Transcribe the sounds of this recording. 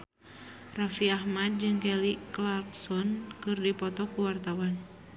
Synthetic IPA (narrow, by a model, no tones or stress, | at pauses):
rafiahmad̪̚d͡ʒɨŋkɛliklarksɔnkɨrdipɔt̪ɔkuwart̪awan